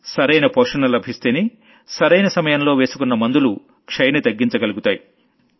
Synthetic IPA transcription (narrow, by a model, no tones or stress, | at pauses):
sɐɾɐjnɐpoːʂɐnɐlɐbʱist̪eːni | sɐɾɐjnɐsɐmɐjɐmlo̞ːʋe̞ːsu̥kunːɐmɐnd̪ulu | kʂɐjɐnit̪ɐɡːiɲt͡ʃɐɡɐluɡut̪aːji